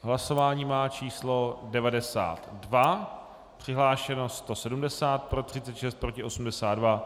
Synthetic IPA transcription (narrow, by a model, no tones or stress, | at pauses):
ɦlaso̞vaːɲiːmaːt͡ʃiːslo̞dɛvadɛsa̰ːt̪dva | pr̝̥ɪɦlaːʃɛno̞st̪o̞sɛdumdɛsaːt̪̚pɾo̞t̪r̝̥ɪtt͡sɛt̪ʃɛst̪̚pɾo̞cɪʔo̞sum̩dɛsaːt̪̚dva